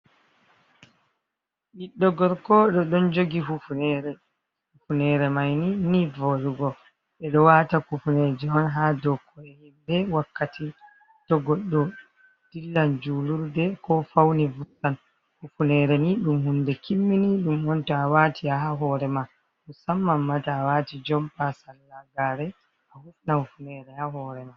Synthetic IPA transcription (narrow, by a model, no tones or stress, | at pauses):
ʔiɗːɔɡɔɾkɔɗɔɗɔnd͡ʒoɡiɦufunɛɾɛ | hufunɛɾɛmajninivɔɗuɡɔ | ɓɛɗɔwaːtakufuned͡ʒɛɔnɦadɔkʰːɔɛhimbɛwakːati | tɔɡɔɗːɔ | d̥ilːand͡ʒuluɾdɛkɔfawnivusan | hufunɛːɾɛniɗumhundɛkimːiniɗumɔntɔawaːtiaɦaɦɔːɾɛma | musamːamːataːwatid͡ʒɔmpasanːaɡaɾɛ | ahufnahufunɛɾɛhahɔɾɛma